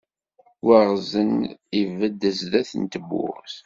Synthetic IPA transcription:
wəʁzənivəd̪ːəzðæθənt̪əbːʊ̰ɾθ

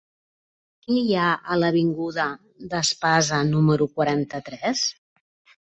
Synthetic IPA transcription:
kijaələβ̞iŋɡuðə | d̪əspazənuməɾukwəɾant̪ət̪ɾɛs

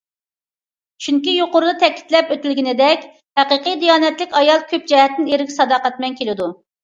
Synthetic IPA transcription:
t͡ʃʰyŋkʲijoqʊɾud̪ɑt̪ʰɛkʲʰi̥t̪lɛpøt̪ɪlɡʲinɪd̪ɛkʲ | hæqəqɨjd̪ijɑːnɛt̪lɪkʲɑjɑlˠkʲʰøp̚d͡ʒɛɦɛt̪ːɪneɾɪkʲsɑd̪ɑːqɛt̪mɛnkʲʰelɪd̪u

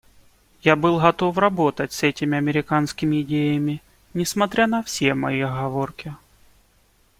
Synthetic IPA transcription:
jabɨlˠɣɐt̪o̞frɐbo̞t̪ətʲsɛtʲɪmʲɪɐmʲɪɾʲɪkanskʲɪmʲɪɪdʲejəmʲɪ | nʲɪsmɐt̪ɾʲanɐfsʲemɐ̰jiɣɐvorkʲɪ

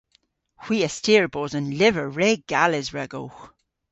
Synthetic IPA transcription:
hw̥iːəstiːəɹbozənlɪvəɹɹeːɡ̥alɪzɹɛɡo̰wx

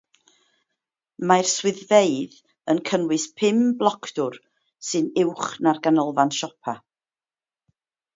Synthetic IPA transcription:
majrswɪðveɨð | ənkʰənwɨspʰɪmblˠɔkʰd̥ʊr | sɨnɪwχnarɡanəlˠvanʃɔpʰa

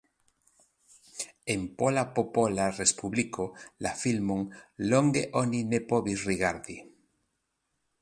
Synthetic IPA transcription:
empolapopolarespuβlikolafilmoŋloŋɡeʔoninepoβisriɣaɾði

